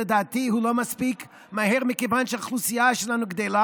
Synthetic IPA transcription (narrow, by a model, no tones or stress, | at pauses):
ed̪aːt̪ihulomaspik | maheʁmekevanʃeaχlusijaʃelanuɡd̪ela